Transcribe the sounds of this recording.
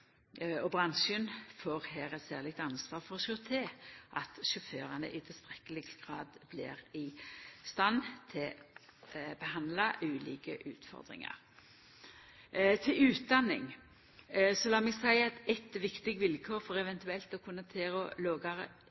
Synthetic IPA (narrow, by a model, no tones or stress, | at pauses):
ɔbʁɑnʃənfoːʁhæːɾɛt̪sæːʁlɪɡt̪ɑnsʋɑːʁfɔʁɔʃʏt̪ʰeːʔɑt̪ʃʊføːɾɑnə̰ʔɪt̪ʰɪlst̪ɾɛkːəlɪɡɡ̥ʁɑːd̪blɪ̰ʁɪst̪ɑnːt̪ʰɪl | bəɦɑnd̪lɑʔʉːlḭːkə̰ʔʉːt̪fɔ̰ʁd̪ʁɪ̰ŋɑ̰ɾ | t̪ʰɪlʉːt̪̚d̪ɑnːɪ̰ŋ | sɔlɑːmɛɡsæɪɛt̪ɛt̪ʋɪkt̪ɪɡʋɪlkʰoːɾfɔɾɛʋɛnt̪ʉɛlt̪ɔkʰʊnːɑt̪ʰeːɾɔloːɡɑɾə̰